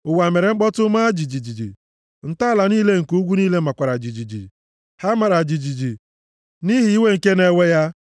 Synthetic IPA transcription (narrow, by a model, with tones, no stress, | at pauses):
ʊ˨wa˨me˨ɾe˨ŋ͡m̩˦ɡ͡bɔ˦tʊ˦ma˦d͡ʒi˨d͡ʒi˨d͡ʒi˨d͡ʒḭ˨ | n̩˨ta˦˨la˨ni˦le˦ŋ̩˨ku˦ɡʷu˦niː˦le˦ma˨kʷa˨ɾa˨d͡ʒi˨d͡ʒi˨d͡ʒḭ˨ | ha˦ma˨ɾa˨d͡ʒi˨d͡ʒi˨d͡ʒi˨ | ni˦ɦi˨i˦we˦ŋ̩˨ke˦ne˦we˦ja˦